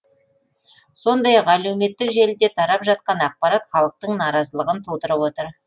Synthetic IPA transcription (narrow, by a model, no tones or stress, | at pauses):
so̞nd̪ɑjɑqælewme̞t̪ːɪkʒelɪd̪e̞t̪ʰɑɾɑpʒɑt̪̚qɑnɑq̚pɑɾɑt̪χɑlˠəq̚t̪əɴnɑɾɑzəlˠəʁənt̪ʰowt̪əɾəpwo̞t̪əɾ